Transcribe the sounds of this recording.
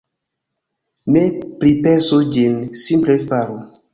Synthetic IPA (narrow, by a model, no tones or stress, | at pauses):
nepɾipesud͡ʒinsimplefaɾu